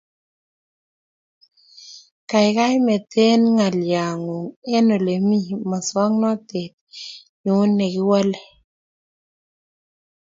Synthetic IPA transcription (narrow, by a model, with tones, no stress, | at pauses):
ka˨ɪ˨ka˦jmɛ˨t̪ʰe˦nŋa˨lja˨ŋo˨ŋɛ˦no˨le˨mi˦ma˨swa˦ŋnɔ˦t̪e˨t̪̚ | ɲu˨˦nɛ˨ɡɪ˦wɔ˦lɛ˨